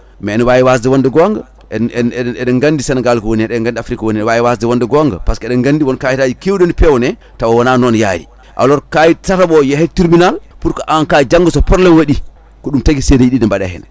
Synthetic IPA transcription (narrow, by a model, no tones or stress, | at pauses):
mɛnwajiwasdɛwɔndɛɡɔŋɡa̰ | ɛɛɗɛŋɡandisɛnaɡalkɔwoniɛɗɛŋɡandiafɾikawoniɛwajiwasdɛwɔndɛɡɔŋɡa̰paskɔɛɗɛŋɡandiwɔnkajitad͡ʒikewdɔnpɛwɔnɛ | tawawɔnaːnɔnja̰ɾḭ | ʔa̰lɔɾkajitataɓɔjɛhɛtːiɾbinalpuɾkɔʔankad͡ʒaŋɡɔsɔpɔɾlɛnwaɗi | kɔɗumtaɡisedejiɗidɛmbaɗa̰hɛ̰na